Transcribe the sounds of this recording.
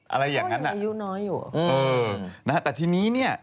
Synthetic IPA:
ʔa̰˧ɾa˧jːaː˨˩ŋa˦˥nʔa̰˨ju˦˥nɔː˦˥jːuː˨˩ʔɤː˧na˦˥t̪ɛː˨˩t̪ʰiː˧niː˦˥ni˥˩ɐ

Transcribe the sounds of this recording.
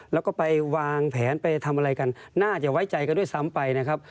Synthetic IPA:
lɛː˦˥wkɔː˥˩pa˧jwaː˧ŋpʰɛː˩˦npa˧jt̪ʰa˧mʔa˧ɾa˧jka˧nnaː˥˩t͡ɕa˧˩wa˦˥jt͡ɕa˨˧jka˧ndu˥˩˨jsa˨˦mpa˧jna˦˥kʰa˦˥p̚

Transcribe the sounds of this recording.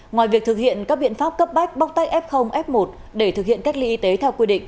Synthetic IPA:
ŋwaː˨˩jvi˨˩ək̚t̪ʰɨ˨˩k̚hḭ˧˨ənkaː˦˥k̚ɓḭ˧˨ənfaː˦˥p̚kə˦˥p̚ɓa˦˥jk̟̚ɓa˦˥w̚t̪a˦˥k̟̚ʔɛ˦˥p̚xə˧wŋ͡mʔɛ˦˥p̚mo˨˩t̚ | ɗe˧˩t̪ʰɨ˨k̚hḭ˧˨ənka˦˥jk̚lḭ˧ʔi˧t̪e˨˦t̪ʰɛ˧wkwi˧ɗḭ˧˨ŋ̟

